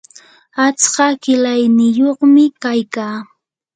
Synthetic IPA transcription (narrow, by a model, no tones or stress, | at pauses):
at͡skɑkɪlajnɪjoχmɪkajkaː